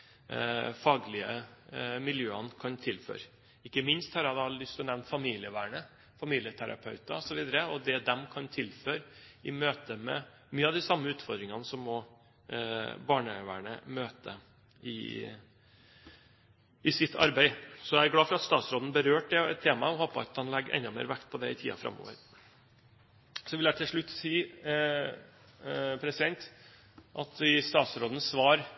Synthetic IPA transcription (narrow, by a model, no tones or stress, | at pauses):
fɑːɡlɪəmɪljøːənəkʰɑnt̪ʰɪlfø̰ːɾ | ɪkːəmɪnst̪hɑɾɑd̪ɑlʏst̪ʰɔnɛʋnfɑmiːlɪəʋæːɳə | fɑmiːlɪət̪ʰæɾɑ̰pʰœʉt̪ɑɔsɔʋiːd̪əɾəɔd̪ɛd̪ɛmkʰɑnt̪ʰɪlføːɾɪmøːt̪əmɛ̰ | myːəɑʋd̪ɪsɑmːəʉːt̪fɔɾd̪ɾɪŋɑnəsɔmːɔ | bɑːɳəʋæ̰ːɳə̰møːt̪ə̰ | ɪ̰ | ɪsɪt̪ːʰɑ̰ɾbæɪsɔæɾɡlɑːfɔɾɑt̪st̪ɑːt̪sɾoːd̪n̩bəɾøːʈ̚d̪ɛɛt̪ʰːeːmɑɔhoːpəɑ̰t̪hɑnlɛɡːʔɛ̰nd̪ɑmḛːɾʋækt̪̚pʰɔd̪ɛɪt̪ʰḭːɑ̰fɾɑ̰mːo̰ːʋə̰ɾ | sɔʋɪljæɪt̪ʰɪlʂɭʉt̪ːsiː | pʰɾɛsɪd̪ɛnt̪ | ʔɑt̪ɪst̪ɑːt̪sɾoːd̪n̩sʋɑːɾ